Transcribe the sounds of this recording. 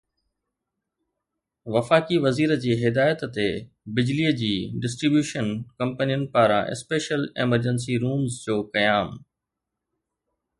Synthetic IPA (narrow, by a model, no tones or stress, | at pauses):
ʋɐfaːkiʋɐziːɾəd͡ʑeːɦɪd̪aːjət̪t̪e | bɪd͡ʑliːəd͡ʑiːɖɪs̬ʈɾibjuːʃənkɐ̃mpənijənɪ̆paːɾã̰ʔɪ̰speːʃəleməɾd͡ʑəns̬iɾuːmzd͡ʑoːkɐjaːm